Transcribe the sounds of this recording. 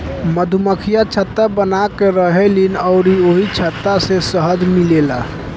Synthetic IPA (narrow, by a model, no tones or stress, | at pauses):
məd̪ʱuməkʰijat͡ʃʰət̪ːabənakeɾəɦelinɔʊɾioɦit͡ʃʰət̪ːasesəɦəd̪milela̰